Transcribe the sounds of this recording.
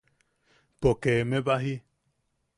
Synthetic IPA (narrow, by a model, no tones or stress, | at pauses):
pokemẽβaɦi